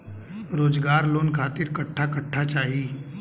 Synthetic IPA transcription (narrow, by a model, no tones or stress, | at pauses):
ɾoːd͡zɡaɾloːnkʰat̪iːɾkəʈʰːakəʈʰːat͡ʃaɦiː